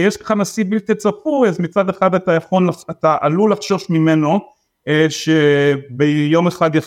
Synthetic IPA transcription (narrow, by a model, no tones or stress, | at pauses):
jeʃkḁχanasibilt̪it͡sapujazmit͡sad̪e̞χadatajaχo̞nlaat̪aʔalulafʃo̞ʃmimeno̞ | ʃebejo̞meχad̪ja